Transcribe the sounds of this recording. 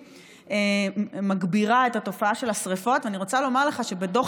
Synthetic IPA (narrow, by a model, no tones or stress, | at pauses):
emaɡbiʁaetato̞faaʃe̞lasʁefo̞tveaniʁo̞t͡salo̞maʁleχaʃe̞bedo̞